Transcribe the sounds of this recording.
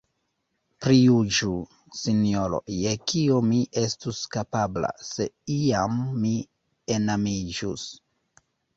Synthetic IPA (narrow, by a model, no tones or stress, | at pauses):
pɾijud͡ʒu | sino̞ɾo̞̰jekiomiʔe̞stuskapabla̰se̞iamːi | enamid͡ʒṵs